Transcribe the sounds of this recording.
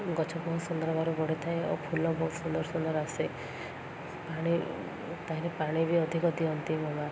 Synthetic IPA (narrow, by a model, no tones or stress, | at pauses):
ɡɔt͡ʃʰɔpɔɦusund̪ɔɾɔbaɾubɔɽet̪ʰaẽo̰pʰulɔbɔɦut̪sund̪ɔɾɔsund̪ɔɾase | paɽ̃i | t̪aɦĩɾepaɽ̃ibʱiɔd̪ʱikɔt̪iɔnt̪imɔma